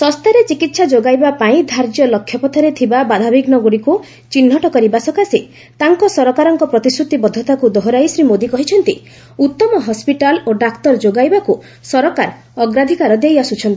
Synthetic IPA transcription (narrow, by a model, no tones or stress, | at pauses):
sɔst̪aɾet͡ʃikit̪sad͡ʒoɡajbapaĩd̪ʱaɾd͡ʒjɔlɔkʰːjɔpɔt̪ʰɔɾet̪ʰibabad̪ʱabiɡnɔɡoɽiku | t͡ʃinɦɔʈɔkɔɾibasɔkasi | t̪aŋkɔsɔɾɔkaɾɔŋkɔpɾɔt̪isɾut̪ibɔd̪ʱːɔt̪akud̪ɔɦɔɾajsɾimod̪ikɔɦit͡ʃʰɔnt̪i | ut̪ːɔmɔɦɔspiʈaloɖakt̪ɔɾd͡ʒoɡajbaku | sɔɾɔkaɾ | ɔɡɾad̪ʱikaɾɔd̪ejasut͡ʃʰɔnt̪ii